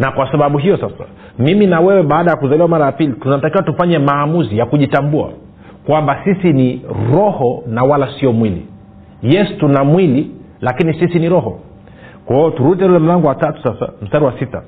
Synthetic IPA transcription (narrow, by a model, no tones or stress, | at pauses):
nakwasaɓaɓuɦijɔsasa̰ | miminawɛwɛɓaːɗajakuzaliwamaɾajapilitunatakiwatufaɲɛmaːmuzijakuʄitambua̰ | kwambasisiniɾɔhɔnawalasiɔmwilḭ | jɛsi̥tunamwili | lakinisisiniɾɔɦɔ | kwɛɔtuɾuitɛulɛm̩laŋɡɔwatatu̥sasa̰m̩staɾiwasita̰